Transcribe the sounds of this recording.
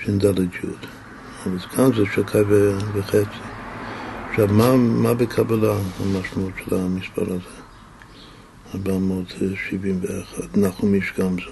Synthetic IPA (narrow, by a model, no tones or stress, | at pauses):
ʃɛnd̪alədd͡ʒṵd̪ | avalɡamzɛʃakʰaveveχɛt͡si | aχʃavmamabəkʰabalaamaʃmaut̪ʃɛlamispʰa̰ɾazɛ | abamodʃivimveaχad̪naχumiʃɡamzɛ